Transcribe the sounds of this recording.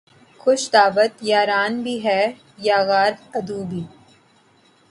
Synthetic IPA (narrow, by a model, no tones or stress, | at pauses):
xʊʃd̪aːʋət̪jaːɾaːnbʱiɦɛː | jaːɣaːɾt̪ɐd̪uːbʱiː